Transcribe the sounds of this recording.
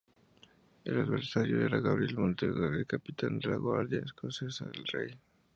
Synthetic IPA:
elaðβeɾsaɾjoeɾaɣaβɾielmont̪eɣaðelkapit̪and̪elaɣwaɾðjaeskonsesa̰ðelrej

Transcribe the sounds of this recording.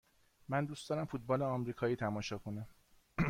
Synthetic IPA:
mænd̪uːst̪ɒːɾæmfut̪̚bɒːleɒmɾiːkʰɒːjiːt̪ʰæmɒːʃɒːkʰonæm

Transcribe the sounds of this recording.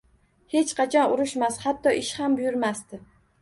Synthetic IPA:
he̞t͡ʃqʰɑt͡ʃʰɒnʊɾɪʃmashat̪ːɒʔɪʃhambʊjʊɾmast̪ɪ

